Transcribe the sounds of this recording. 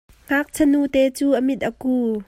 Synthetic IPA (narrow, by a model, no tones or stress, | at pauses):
ŋ̥aːk̚t͡sʰənut̪ɛːt͡suːʔəmɪt̪̚ʔəkuː